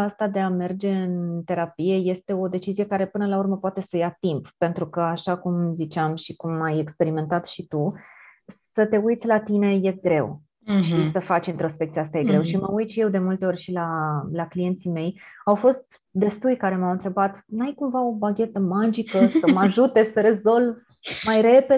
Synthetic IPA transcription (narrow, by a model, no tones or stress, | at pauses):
ast̪ad̪e̞ame̞rd͡ʒe̞ɨnt̪e̞ɾapije̞je̞st̪e̞o̞d̪e̞t͡ʃizije̞kaɾe̞pɨnəlaurməpoat̪e̞səjat̪imppe̞nt̪ɾukəaʃakumzit͡ʃeamʃikumaje̞kspe̞ɾime̞nt̪at̪ʃit̪u | sət̪e̞ujt̪sʲlat̪ine̞je̞ɡɾe̞w | ʃisəfat͡ʃint̪ɾo̞spekt̪siast̪ajeɡɾe̞wʃiməujt̪ʃije̞wd̪e̞mult̪e̞o̞rʲʃilalaklije̞nt̪sime̞jawfo̞st̪ | d̪e̞st̪ujkaɾe̞mawɨnt̪ɾe̞bat̪najkuɱvao̞baɡʲe̞t̪əmad͡ʒikəsəmaʒut̪e̞səɾe̞zo̞l | majɾe̞pe